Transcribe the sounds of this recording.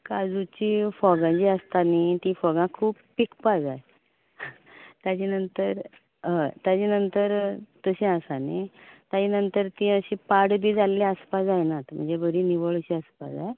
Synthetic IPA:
kad͡zut͡ɕifɔɡãt͡ɕiːəst̪anit̪ĩfɔɡãkʰuːppikpad͡zaj | t̪jat͡ɕinənt̪əɾ | ə̃t̪jat͡ɕenənt̪əɾt̪əɕẽasanit̪jat͡ɕenənt̪əɾt̪ĩəɕĩpaɽbʱiːd͡zalːaəspad͡zajnat̪m̤ə̰ɳd͡zebəɾĩːniʋəɭt͡ɕiːəspa̰d͡zaj

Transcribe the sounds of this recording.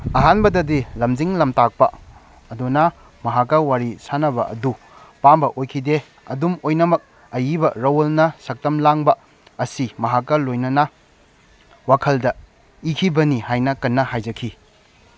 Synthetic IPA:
ɐɦanbɐdɐdilɐmd͡ʒiŋlɐmtak̚pɐ̰ | ɐdunɐ | mɐɦakːɐwaɾisanɐbɐ̰ʔɐ̰du | pambɐʔojkʰide | ɐ̰dumojnɐmɐk̚ | ɐjibɐɾɐwolnɐsɐk̚tɐmlaŋbɐ | ɐsimɐɦakːɐlojnɐnɐ | wakʰɐldɐ | ikʰibɐnihajnɐkɐnːɐhajd͡ʒɐkʰi

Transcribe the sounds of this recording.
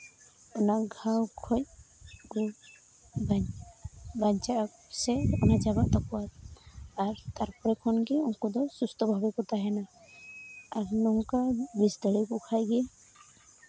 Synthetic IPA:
ɔnaɡʱawkʰɔc̚ | ku | ba | baɲt͡ʃak | sɛɔnad͡ʒabaʔt̪ɔkɔwat̪aɾt̪aɾpɔɾɛkʰɔnɡiɔŋkud̪ɔsust̪ɔbʱabɛkɔt̪aɦɛna | aɾnɔŋkabisd̪ɔɽikukʰajɡe

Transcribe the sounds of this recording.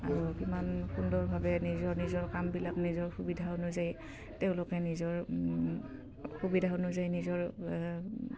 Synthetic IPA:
a̰ɹukimanxundɔɹbʱabɛnizɔɹnizɔɹkambilak̚nizɔɹxubidʱaonʊzaj | teʊ̃lʊkɛnizɔɹ | xubidʱaonʊzajnizɔɹ

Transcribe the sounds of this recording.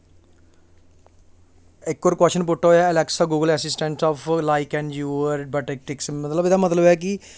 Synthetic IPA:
ɪkːɔːɾkwɛʃənpʊʈːaːɦojaɛlɛksaːɡuːɡəlɛːsɪsʈɛ̃ɳʈsɔːpʰlaːɪkɛ̃ːɳd͡ʒuːʋəɾ̚bəʈek̚ʈɪksmət̪ləbɪd̪amət̪ləbɛːk̬i

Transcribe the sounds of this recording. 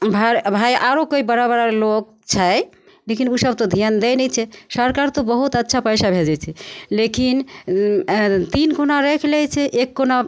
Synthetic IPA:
bʱabʱajʔaɾokoibəɾabəɾalok̚ | t͡ʃʰaj | lekinusəb̚t̪od̪ʱijand̪ɛnɛt͡ʃʰɛsəɾkaɾt̪obəɦut̪ətːʃʰapəjsabʱeld͡ʒat͡ʃʰɛlekin | t̪inkunaɾekʰlɛt͡ʃʰɛʔekːona

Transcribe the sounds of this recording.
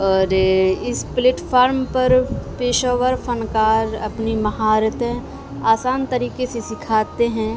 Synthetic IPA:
ɔːɾɪspleːʈpʰaːɾmpɐɾpeːʃɔːʋəɾfʰənkaːɾɐ̰pnimɐɦaːɾət̪ɦɛ̃ | aːsaːnt̪ɐɾiːkesesɪkʰaːt̪eɦɛ̃ː

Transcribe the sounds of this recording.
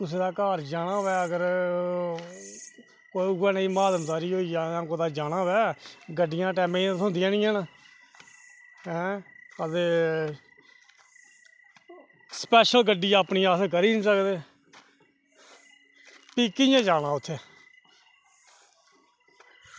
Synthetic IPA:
kʊs̬eːd̪aːkaːɾd͡ʒaːnãːʋɛːəɡəɾ | koːiʊaːnaĩːmaːd̪əmd̪aːɾiːɦoːiːjaːjãːkoːd̪aːd͡ʒaːɽ̃ãːʋɛːɡəɖːɪjãːʈɛːmẽːãsʊ̃nd̪ɪãːnɪ̃ːãːnə | ɦɛ̃ːət̪eː | spɛːʃəlɡəɖːiːpniːaːskəɾiːsəkd̪eː | piːkɪjãːd͡ʒaːnãːʊt̪ʰːeː

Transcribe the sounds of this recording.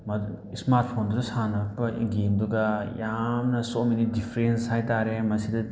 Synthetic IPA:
mɐdu | smaɾt̚ʰpʰonduɾɐsanɐpɐḭɡemduɡɐjamnɐsomenidipʰɾenshajtaɾemɐsidɐ

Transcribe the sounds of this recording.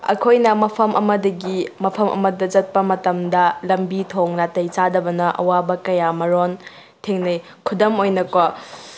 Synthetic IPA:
ɐ̰kʰojnɐmɐpʰɐmʔɐ̰mɐdɐɡimɐpʰɐmʔɐ̰mɐdɐd͡ʒɐt̚pɐmɐtɐmdɐlɐmbitʰoŋnatɐjt͡ʃadɐbɐnɐʔɐ̰wabɐkɐjamɐɾon | tʰeŋnɐj | kʰudomojnɐko

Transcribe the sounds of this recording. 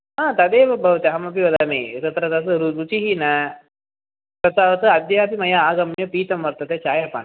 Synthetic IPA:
aːt̪ɐd̪eːʋɐbʱɐʋt̪ɐɦɐmɐpiʋɐd̪ameːt̪ɐt̪ɾɐt̪ɐt̪ɐɾuɾut͡ʃiɦinɐ | t̪ɐt̪aʋɐt̪ɐɐd̪jɐːpimɐjaaːɡɐmɳjɐpiːt̪ɐmʋɐɾt̪ɐt̪et͡ʃaːjɐpa̰ːn

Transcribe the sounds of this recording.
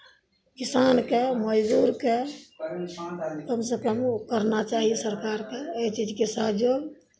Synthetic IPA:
kɪsaːnkeməd͡ʒd̪uːɾke | k̪əmsəpəmkəɾnat͡ʃaːɦiesəɾkaːɾkeet͡ʃid͡ʒkesaɦd͡ʒoɡ

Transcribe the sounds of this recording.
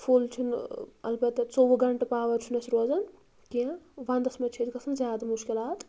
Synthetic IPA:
pʰult͡ʃʰunɐ̰lbɐt̪ːɐt͡soʋɐɡɐɳʈɐpaːʋɐɾt͡ʃʰunɐsʰɾoːzɐn | kiãʋɐnd̪ɐsmɐt͡ʃʰit̪kɐsʰɐnzʲjaːd̪amuʃkilaːt̪

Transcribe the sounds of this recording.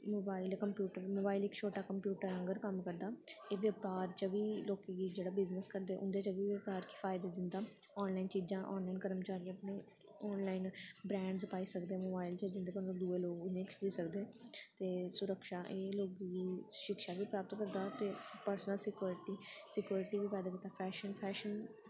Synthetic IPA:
moːbaːɪlkəmpjuːʈəɾmoːbaːilɪkt͡ʃʰoːʈaːkəmpjuːʈəɾə̃ŋɡəɾkəmkəɾd̪aːeːʋəpaːɾt͡ʃəʋiːloːkeɡiːd͡ʒeːɽaːbɪznəskəɾd̪eːʔʊ̰̃nd̪eːt͡ʃəbiːʋəpaːɾkifʰaːɪd̪eːd̪ɪnd̪aː | ɔːnlaːint͡ʃiːzãːʔɔ̰ːnlaːinkəɾəmt͡ʃaːɾĩəpneː | ɔːnlaːinbɾɛ̃ːɳɖsəpaːiːsəkd̪eːmoːbaːɪlt͡ʃəd͡ʒɪnd̪eːkenõːd̪ueːloːɡʊẽːkʰiːsəkd̪eːt̪eːsʊɾəkʃaːʔeːloːkːiʃɪkʃaːʋiːpɾaːpət̪kəɾd̪aːt̪eːpəɾsnəlsɪkjuːɾʈiːsɪkjuːɾɪʈiːʋiːpaːd̪aːkiːt̪ːaːpʰɛːʃənpʰɛːʃən

